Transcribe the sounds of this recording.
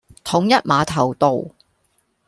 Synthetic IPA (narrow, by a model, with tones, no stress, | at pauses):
t̪ʰʊ˨˥ŋjɐ˥t̚maː˨˧t̪ʰɐ˨˩wt̪o˨w